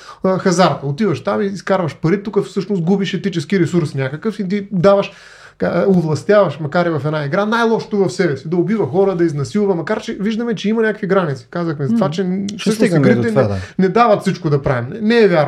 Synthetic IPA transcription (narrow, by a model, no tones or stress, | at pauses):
xɐzaɾt̪ɐot̪ivɐʃt̪amiːskaɾvɐʃpɐɾit̪ukəfsɤʃnost̪̚ɡubiʃɛt̪it͡ʃɛskiɾɛsuɾsnʲakəkəfit̪id̪avɐʃ | kaovlˠɐst̪javɐʃmɐkaɾivɐfɛd̪naiɡɾanajlˠɔʃo̥t̪ovɐfsɛbɛsid̪ɐobivɐxɔɾəd̪ɐiznɐsilˠvɐmɐkaɾt͡ʃɛviʒd̪ɐmɛt͡ʃɛimɐnʲakəkviɡɾanit̪si̥kazɐxmɛzt̪vat͡ʃɛfsɤʃnisɡɾit̪ɛnɛnɛd̪avɐt̪sit͡ʃkod̪ɐpɾavimnɛnɛːvʲjaɾ